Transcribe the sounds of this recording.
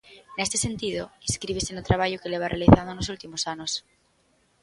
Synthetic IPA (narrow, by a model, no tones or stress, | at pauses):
ne̞st̪e̞se̞nt̪ið̞oiskɾiβesenut̪ɾaβaʝokeleβ̞arealiθand̪onosult̪imosanos